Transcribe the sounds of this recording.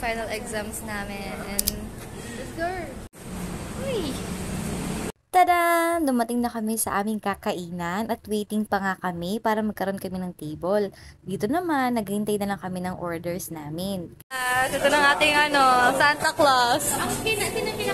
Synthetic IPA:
fajnɐlɛɡzamsnaːmɛnʔɛnɪsɡʊ | oj | t̪ɐɾand̪ʊmɐt̪ɪŋnɐkɐmɛsɐ̰ʔaːmɪŋkakɐʔiːnɐnʔɐt̪wɛːjt̪ɪŋpɐŋakɐmɛpaːɾɐmɐɡ̚kɐɾo̞nkɐmɛnɐŋt̪ejbold̪iːt̪o̞nɐmanːɐɡhɪnt̪ajnɐlɐŋkɐmɛnɐŋʔoɹd̪ɛɹsnaːmɪn | asɛt̪onɐŋʔaːt̪ɪŋɐnosant̪ɐklasnɐt̪ɪnɐkɪɐ

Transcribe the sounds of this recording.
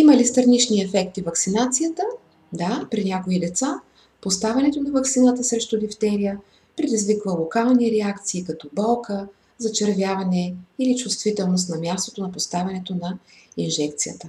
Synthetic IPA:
iməlist̪ɾnit͡ʃniɛfɛkt̪ivɐksinat̪sijət̪ə | d̪apɾinʲakoid̪ɛt̪sa | post̪avʲɐnɛt̪onɐvɐktsinət̪əsɾɛʃt̪od̪ift̪ɛɾijə | pɾɛd̪izvikvəlˠokalˠniɾɛakt̪siːkɐt̪ɔbɔlˠkə | zɐt͡ʃɛɾvʲjavɐnɛilit͡ʃʊst̪vit̪ɛlˠnost̪nɐmʲjast̪ot̪onɐpost̪avʲɐnɛt̪onɐ | inʒɛkt̪sijə̰t̪ə

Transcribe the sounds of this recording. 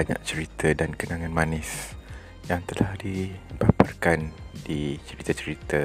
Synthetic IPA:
aɲa̰ʔ̚t͡ʃəɾit̪ʰədankənaŋãnmanɪs | jaŋt̪əlahdibaparkandit͡ʃəɾit̪at͡ʃəɾit̪ə

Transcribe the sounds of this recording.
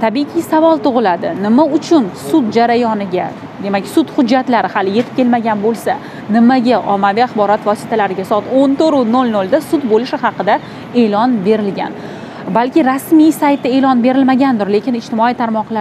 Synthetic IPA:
t̪ʰabiqʰisavɒlˠt̪ʊʁɨlad̪ɪnɪmaʊt͡ʃʰʊnsʊd̪̚d͡ʒaɾajɒnɪɡʲa | d̪e̞makʲsʊt̪hʊd͡ʒːat̪laɾɪhalɪje̞t̪ʰɪ̥pkʲʰelmaɡʲanbolˠsa | nɪmaɡʲaʔɒmːavijaχbɒɾɒt̪vɒsɪ̥t̪ʰalaɾɪɡʲasɒɑt̪ont̪ʰoɾʊnolnold̪asʊt̪bolɪʃɪhɑqɨd̪a | e̞lɒnbe̞ɾɪlɡʲa̰n | balkʲɪɾasmijsajt̪ːae̞lɒnbe̞ɾɪlmaɡʲand̪ʊɾle̞kʲɪnɪʃt̪ɪmɒijt̪ʰaɾmɒqlˠa

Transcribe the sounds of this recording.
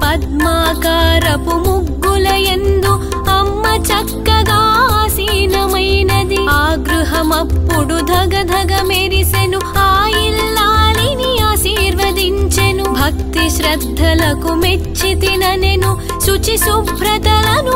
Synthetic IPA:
pɐd̪maːkaːɾɐpumuɡːulɐjend̪u | ɐmːɐt͡ʃɐkːɐd̪aːsinɐmɐjnɐd̪iaːɡɾuɦɐmɐpːuɽud̪ʱɐɡɐd̪ʱɐɡɐmeɾisenuaːjilːaːliniaːsiːɾʋɐd̪iɲt͡ʃenubʱɐk̚t̪iʃɾɐd̪ʱːɐlɐkume | t͡ʃːit̪inɐnenu | ʃut͡ʃisubʱɾɐt̪ɐlɐnu

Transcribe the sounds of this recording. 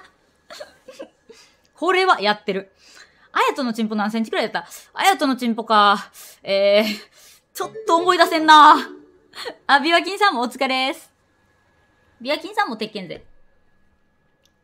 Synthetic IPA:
kʰo̞ɾe̞βajat̪ːe̞ɾɯ̟ | ajat̪o̞no̞t͡ɕĩmpo̞nãseɲ̟t͡ɕi̥kɯɾaid̪at̪ːaa̰jat̪o̞no̞t͡ɕĩmpo̞ka | eː | t͡ɕo̞t̪ːo̞ːmo̞id̪asẽ̞nːa | abʲiβak̬ʲĩɰ̃sãmːoːt͡sɨ̥kaɾesɨ̥ | bʲiβakʲĩɰ̃sãmːo̞t̪e̞kːẽ̞nd͡zḛ

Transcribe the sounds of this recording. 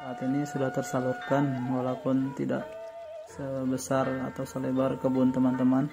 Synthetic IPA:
saat̪inisudaht̪ərsalurkanwalawpʊnt̪ḭda̰ʔ | səbəsarat̪awsəlebarkəbunt̪əmant̪əman

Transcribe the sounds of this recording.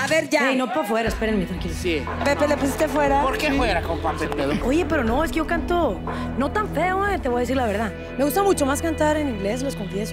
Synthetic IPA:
aβeɾʝaejnopafwe̞ɾaespeɾenmet̪ɾaŋkilosi | pepelepusist̪e̞fwe̞ɾapoɾkefweɾakompampent̪eðooʝe̞pe̞ɾo̞no̞e̞s̬kejo̞kant̪o | no̞t̪aɱfeoat̪eβo̞jaðes̬iɾlaβe̞ɾða | me̞ɣust̪amut͡ʃo̞maskant̪aɾeniŋɡle̞s̬lo̞sko̞ɱfjeso

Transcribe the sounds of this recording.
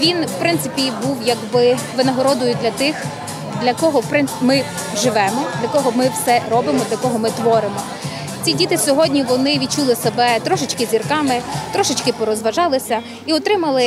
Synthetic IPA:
ʋʲinwpɾɪnt̪sɪpʲibuwjɐɡbɪʋɪnɐɦɔɾɔd̪ʊjʊd̪lʲɐt̪ɪx | d̪lʲɐkɔɦɔpɾɪnmɪ | ʒɪʋɛmɔd̪lʲɐkɔɦɔmɪwsɛɾɔbɪmɔd̪lʲɐkɔɦɔmɪt̪ʋɔɾɪmɔ | t͡sʲidʲit̪ɪsʲɔɦɔdʲnʲiʋɔnɪʋʲit̚t͡ʃulˠɪsebɛt̪ɾɔʃɪt͡ʃkɪzʲirkɑmɪt̪ɾɔʃɪt͡ʃkɪpɔɾɔzʋɐʒɑlˠɪsʲɐ | iɔt̪ɾɪmɐlˠɪ

